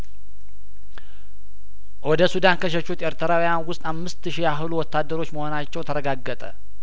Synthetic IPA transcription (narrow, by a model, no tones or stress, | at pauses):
wɔd̪əsud̪ankʰəʃ̬əʃut̪ʔeɾt̪ʰəɾawujanwʊst̪ʼamːɨst̪ɨʃijaɦɨluwɔt̪ːad̪ːəɾo̞t͡ʃːməho̞nat͡ʃːɛwt̪ʰəɾəɡaɡːət̪ʼə̰